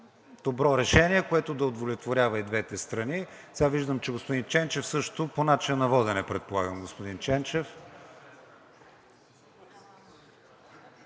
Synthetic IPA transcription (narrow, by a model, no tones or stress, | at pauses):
d̪̥obɾɔɾɛʃɛniɛkoɛt̪ʊd̪ɐod̪volʲɛt̪voɾʲavɐid̪vɛt̪ɛst̪ɾɐni | sɛɡaviʒd̪əmt͡ʃɛɡospod̪int͡ʃɛnt͡ʃɛfsɤʃt̪oponat͡ʃinɐnɐvɔd̪ɛnɛpɾɛt̪̚polˠaɡəmɡospod̪int͡ʃɛnt͡ʃɛf